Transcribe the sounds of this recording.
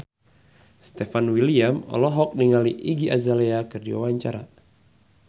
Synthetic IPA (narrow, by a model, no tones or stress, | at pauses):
st̪ɛfanwiliamɔ̰lɔɦɔk̚niŋaliʔiɡiʔazaleakɨrdiwa̰waɲt͡ʃaɾa